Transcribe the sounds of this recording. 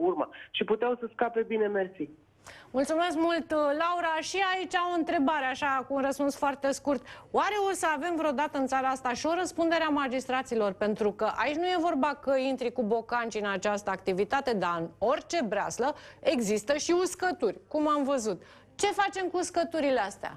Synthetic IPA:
urma̰ʃiput̪eawsəskape̞bine̞mersi | mult̪sume̞skmult̪lauɾaʃiait͡ʃʲao̞ɨnt̪ɾe̞baɾeaʃakuːnrəspunsfoart̪e̞skurt̪waɾe̞o̞səave̞mvɾeo̞d̪at̪əɨnt̪saɾaast̪aʃio̞ɾəspund̪e̞ɾeamad͡ʒist̪ɾat̪silo̞rpe̞nt̪ɾukəʔait͡ʃʲnuje̞vo̞rbakəint̪ɾikubo̞kant͡ʃiɨnat͡ʃast̪əak̚t̪ivit̪at̪e̞d̪aɨno̞rʲt͡ʃe̞bɾea̰sləe̞ɡzist̪əʃiuskət̪urʲkumamvəzut̪ | t͡ʃe̞fat͡ʃe̞mkuuskət̪uɾileast̪ea̰

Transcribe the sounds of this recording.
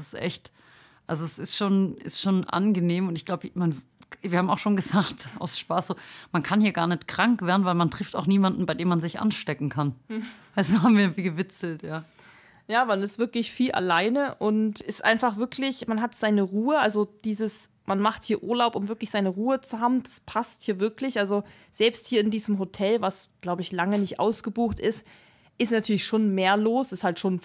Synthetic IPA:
sɪ̥stʔɛ̰çt | ʔalzoɛsɪstʃoːnʔɪ̰stʃoːnʔa̰nɡəneːmʊntɪçɡ̥laʊbəman | v̥iːɐhaːbmaʊxʃoːnɡəzaːktʔa̰ʊsʃpaːsz̥oːmankʰanhiːɐɡaːɐnɛtkʁ̥aŋkv̥eːɐdn̩vaɪlmantʁ̥ɪfta̰ʊxniːmandn̩baɪdeːmanzɪçʔa̰nʃtɛkŋ̩kʰanvaɪsd̥uːhaːbm̩viːɐviːɡəvɪt͡sl̩tjaː | jaːmanɪstv̥ɪɐklɪçfiːlʔa̰laɪnəʔʊntʔɪstʔa̰ɪnfaχv̥ɪɐkʰlɪçmanɦatz̥aɪnəʁuːəʔalzod̥iːzəs | manmaχthiːɐʔuːɐlaʊpʊmvɪɐklɪçz̥aɪnəʁuːət͡suɦaːbm̩d̥aspʰasthiːɐvɪɐklɪçʔalzo | z̥ɛlpsthiːɐɪndiːzəmɦotʰɛlvasɡ̥laʊbəɪçlaŋənɪçtʔa̰ʊsɡ̥əbuːχtʔɪst | ʔɪstnatʰyːɐlɪçʃoːnmeːɐloːsɪsthaltʃoːn

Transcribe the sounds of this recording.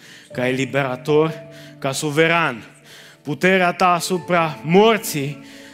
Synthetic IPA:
kaelibe̞ɾat̪o̞rkasuve̞ɾan | put̪e̞ɾeat̪aːsupɾamort̪si

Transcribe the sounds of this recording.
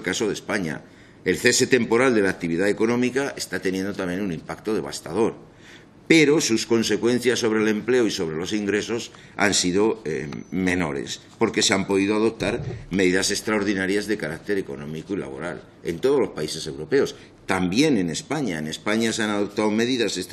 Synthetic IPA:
kaso̞ðe̞spaɲa̰ | e̞lθe̞se̞t̪e̞mpo̞ɾald̪e̞lak̚t̪iβ̞iðae̞ko̞nõ̞mikae̞st̪at̪e̞njend̪ot̪amjẽ̞nunĩmpakt̪o̞ðe̞β̞a̰st̪að̞o̞ɾ | pe̞ɾo̞susko̞nse̞kwe̞n̟θjasːo̞β̞ɾe̞le̞mple̞oiso̞βɾe̞lo̞siŋɡɾe̞so̞s | a̰nsiðo̞emẽ̞no̞̰ɾḛs | po̞ɾke̞seampo̞ð̞iðoað̞op̚t̪aɾme̞ðiðase̞kst̪ɾaoɾðinaɾjazðe̞kaɾak̚t̪e̞ɾe̞ko̞̰nõ̞mikoila̰βo̞̰ɾa̰l | e̞̰nt̪o̞ð̞o̞lo̞spaise̞se̞wɾo̞pe̞o̞s | t̪ambje̞nene̞spaɲaene̞spaɲaseanaðo̞p̚t̪awme̞ðiðases

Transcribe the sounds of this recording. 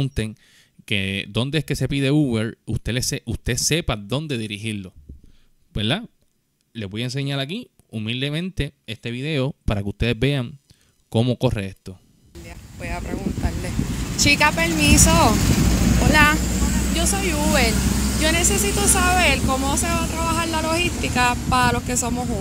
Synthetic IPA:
unt̪e̞ŋ | ke̞d̪o̞nd̪e̞eske̞se̞piðeuβeɾust̪eleseust̪ese̞paðo̞nd̪e̞ðiɾiɦiɾlo̞ | beɾða | le̞zbo̞jaens̬e̞ɲaɾaki | umild̪e̞mẽnt̪e̞est̪e̞βiðe̞opaɾakeust̪e̞ðebe̞aŋ | ko̞mo̞ko̞reest̪o̞ | ljabojapɾeɣunt̪aɾlet͡ʃikapeɾmiso | olad͡ʒo̞sojuβeld͡ʒo̞nesesit̪osaβe̞ɾko̞moseβat̪ɾaβahaɾlalo̞hist̪ikapaɾalo̞ske̞so̞moɦu

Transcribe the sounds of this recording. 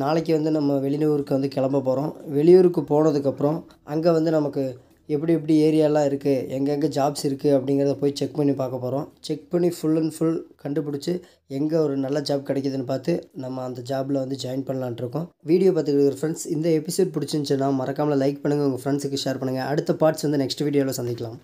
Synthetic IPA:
naːɭɛkːɯʋɐnd̪ɯnɐmːɐʋɛɭɪnɐʋɾɯkːɯʋɐnd̪ɯkɛɭɐmbɐpoːɾõːʋɛɭɪjuːɾɯkːɯpoːɳɐðɯkːɐpːɯɾɔ̃ | ʔɐŋɡeːʋɐnd̪ɯnɐmɐkːɯ | ɛp̬ːɐɽiɛp̬ːɐɽieːɾɪjaːlãːɪɾɯkːɯɛŋɡɐŋɡɐd͡ʒaːbsɪɾɯkːɯɐpːɐɽɪŋɡɪɾɐðɐpoːjit͡ʃɛkːpɐɳipaːɾkɐpːoːɾõːt͡ʃɛk̚pɐɳifʊɭːɐnfʊlkɐɳɖɯpʊɽɪt͡ʃːɯ | ɛŋɡɐɔɾɯnɐlːɐd͡ʒaːb̚kɪɽɛk̬ːɐðɯnːɯpaːɾt̪ɯnɐmːɐːnd̪ɐd͡ʒaːbɪlɐʋɐnd̪ɯd͡ʒɐjɪnpɐɳːɐlãːʈɪɾɯkːʊ̃ʋiːɽɪjoːpaːɾt̪ːɯkːɪʈɯkːɐɾɐfɾɐɳsɪnd̪ɐɛpːɪsoːɖ̚pʊɽɪt͡ʃːɯnt͡ʃɯnːãːmɐɾɐkːaːmɐlɐlɐɪk̚pɐɳːɯŋɡɐʊŋɡɐfɾɐɳsɯkːɯʂeːɾpɐɳːɯŋɡɐɐɽɯt̪ːɐpaːɾʈsʋɐnd̪ɯnɛksʈɯʋiːɽɪjoːlõːsɐnd̪ɪkːɐlãːm

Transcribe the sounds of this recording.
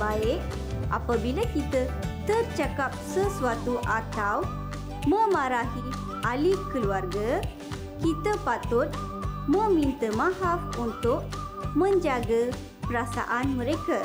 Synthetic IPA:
baje | a̰pəbiləkit̪ət̪əɾt͡ɕəkap̚səsʋat̪uʔat̪ʰaw | məmaɾaɦi | alikːəlʋaɾɡə | kit̪əpat̪ot̪̚məmint̪əmaɦafunt̪o | mənd͡ʒaɡə | pɾasa̰ʔanməɾekəɾ

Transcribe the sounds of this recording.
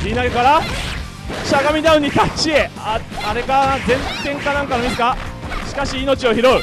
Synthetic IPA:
ɾʲinaɡe̞kaɾa | ɕaɡamʲid̪aɯ̟ɲ̟it̪at͡ɕie̞a | aɾe̞kad͡zẽ̞nt̪ẽ̞ŋkanãŋkanomʲisɨ̥ka | ɕi̥kaɕiːno̞t͡ɕio̞çiɾo̞ɯ̟

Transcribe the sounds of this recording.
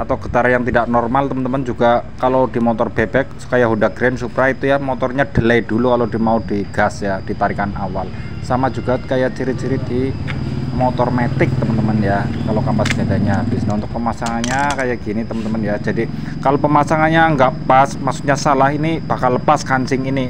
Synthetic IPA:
at̪awɡə̥t̪aɾajaŋt̪idaʔnɔrmalt̪əmənt̪əmənd͡ʒuɡ̥akalodimot̪ɔrb̥ebɛk̚su̥kajaɦundaɡ̥ɾɛnsupɾait̪ujamot̪ɔrɲad̥əlajdulukalodimaudiɡ̥asjad̥it̪aɾikanawal | samad͡ʒuɡakajaʔt͡ʃiɾit̪̚t͡ʃiɾɪd̥i | mot̪ɔrmet̪ɪk̚t̪əmənt̪əmənjakalokampasɡ̥adaɲab̥isnaunt̪ʊk̚pəmasaŋanɲakajaɡ̥init̪əmənt̪əmənjad͡ʒadi | kalopəmasaŋanɲaəŋɡaʔpasmaksukɲasalahinib̥akalːəpaskansɪŋini

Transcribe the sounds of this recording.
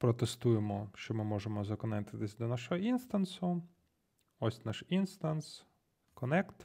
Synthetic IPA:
pɾɔt̪est̪ujemɔʃt͡ʃɔmɪmɔʒemɔzɐkɔnɛt̪ɪt̪ɪsʲd̪ɔnaʃɔɦɔinst̪ansʊ | ɔsʲnaʃinst̪ans | kɔnɛkt̪

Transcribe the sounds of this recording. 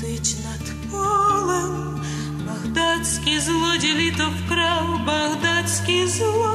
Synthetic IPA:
t̪ɨt͡ʃnad̪pɔlˠɛm | baɣd̪at̪skʲizlˠɔdʲelʲit̪ɔwkɾawbaɣd̪at̪skʲizlˠɔ

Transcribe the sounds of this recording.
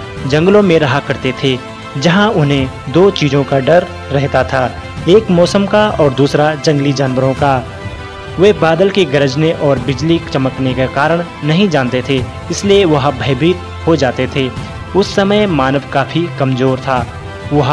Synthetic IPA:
d͡ʒɐ̃ŋɡlõmẽɾɐɦakɐɾt̪et̪ʰe | d͡ʒɐɦãʊnɦẽd̪oːt͡ʃiːzõkaɖɐɾː | ɛɦt̪at̪ʰaː | eːkmɔːsəmkaɔːɾd̪uːsɾad͡ʒɐ̃ŋɡlid͡ʒaːnʋəɾõka | ʋebaːd̪əlkeɡɐɾəd͡ʒneʔɔːɾbɪd͡ʒlit͡ʃɐməknekekaːɾəɽ̃ | nɐɦĩd͡ʒãːnt̪et̪ʰe | ɪslieʋɐɦabʱɐɪbiːt̪ | ɦod͡ʒaːt̪et̪ʰeː | ʊsːɐməjmaːnəʋkaːfʰikɐmzoːɾt̪ʰaː | ʋɐɦ

